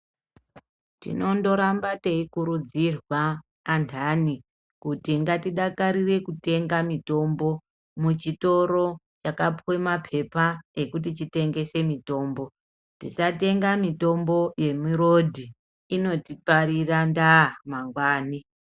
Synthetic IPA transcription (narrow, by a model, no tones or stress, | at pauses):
tḭno̞ndo̞ɾambate̞ikuɾud͡zirwaː | ntʰani | kutiŋɡatiɗakaɾire̞kute̞ŋɡamito̞mbo̞ | mut͡ʃito̞ɾo̞ | t͡ʃakapwe̞mapʰe̞pae̞kut̬it͡ʃite̞ŋɡe̞se̞mito̞ːmbo̞ | tit͡ʃate̞ŋɡamito̞mbo̞je̞miɾo̞dʱi | ino̞tipaɾirandamaŋɡwaːni